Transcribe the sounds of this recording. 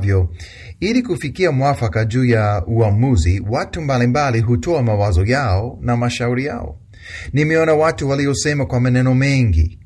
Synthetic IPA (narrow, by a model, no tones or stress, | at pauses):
vjɔ | ilikufikiamwafakaʄuːjauamuziwatumbalimbaliɦutɔamawazɔjaɔnamaʃauɾija̰ɔ̰ | nimɛɔnawatuwaliɔsɛmakwamanɛnɔmɛŋɡḭ